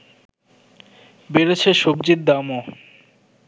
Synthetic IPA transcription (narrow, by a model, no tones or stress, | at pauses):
beɾet͡ɕʰeʃokd͡ʑid̪̚ːamo